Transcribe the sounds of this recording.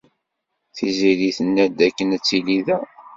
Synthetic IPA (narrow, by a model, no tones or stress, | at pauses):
θiziɾiθənːæd̪ækːənæt͡sːiliðæ